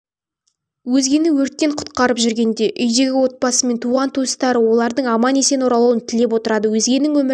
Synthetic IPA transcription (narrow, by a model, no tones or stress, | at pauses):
wɵzɡʲe̞nɪwɵɾt̪̚kʲe̞ɴqʰʊ̥t̪qɑɾəpʒʏɾɡʲe̞nd̪e̞ʔʏjd̪e̞ɡʲɪwo̞t̪̚pɑsəme̞nt̪ʰuʁɑnt̪ʰust̪ɑɾəwo̞lˠɑɾd̪əɴɑmɑne̞se̞noɾɑlˠuwənt̪ʰɪle̞p̬wo̞t̪əɾɑd̪əwɵzɡʲe̞nːɪŋwɵm